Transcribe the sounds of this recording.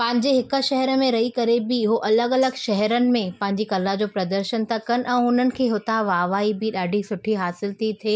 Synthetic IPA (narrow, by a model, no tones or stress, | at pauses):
pɐ̃ɦɪ̃ɲd͡ʑeɦɪkə̆ʃɛɦɛɾmẽɾɐɦikɐɾebɪɦoʔɐləɡɐləɡʃɛɦɛɾənɪ̆mẽpɐ̃ɦɪ̃ɲd͡ʑikɐlad͡ʑoːpɾɐd̪əɾʃənt̪akɐn̆ʔɛ̃ːɦʊnənɪ̆kʰeːɦʊt̪aʋaːʋaːibɪɗaːɖʱisʊʈʰiɦaːsɪlt̪ʰit̪ʰeː